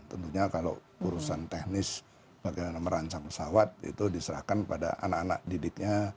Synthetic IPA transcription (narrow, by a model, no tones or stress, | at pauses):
t̪ənt̪uɲakalo̰ | uɾusant̪ɛhnɪs | baɡemanaməɾaɲt͡ʃaŋpəsawat̪̚ḭt̪udisəɾa̰hkanpada̰ʔa̰nakana̰k̚didɪk̚ɲa